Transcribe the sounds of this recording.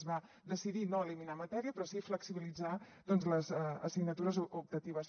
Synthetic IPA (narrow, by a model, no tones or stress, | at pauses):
zβa | d̪əsiðinoəliminamət̪ɛɾiəpɾɔsifləksiβilid͡za | d̪ɔnzləzəsiɡnət̪uɾəzup̚t̪ət̪iβ̞əs